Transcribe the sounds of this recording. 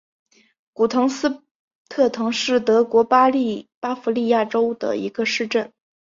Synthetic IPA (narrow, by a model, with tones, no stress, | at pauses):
ku˨˩t̪ʰɤ˧˥ŋsɹ̩˥ | t̪ʰɤ˥˩t̪ʰɤ˧˥ŋʂɻ̩˥˩t̪ɤ˧˥kwɔ˧˥pa˥li˥˩pa˥fu˧˥li˥˧ja˥˩ʈ͡ʂo˥ʊd̪ə̰˨˩ḭ˧˥ɡə˧ʂɻ̩˥˧ʈ͡ʂə˥˩n